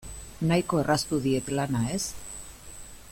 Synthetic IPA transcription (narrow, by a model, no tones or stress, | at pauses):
najko̞e̞rʔast̪uðie̞t̪lanae̞s